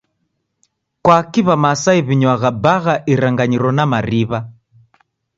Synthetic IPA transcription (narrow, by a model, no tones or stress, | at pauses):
kwakiβamasaiβiɲwaɣabaɣaʔiɾaŋɡaɲiɾɔnamariβa